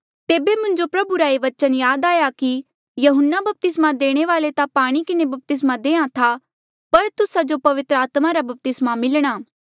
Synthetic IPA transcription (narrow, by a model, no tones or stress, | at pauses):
t̪eːbemʊ̃ɲd͡ʒopɾɐbuɾaeʋɐt͡ʃənjaːd̪aːjaki | jɐɦʊnːabɐp̚t̪ɪsmad̪eːɽ̃eʋaːlet̪apaːɽ̃ikɪnebɐp̚t̪ɪs̬mad̪eːãt̪ʰa | pɐɾt̪ʊsad͡ʒopɐʋɪt̪ɾəaːt̪maɾabɐp̚t̪ɪsmamɪlɽ̃aː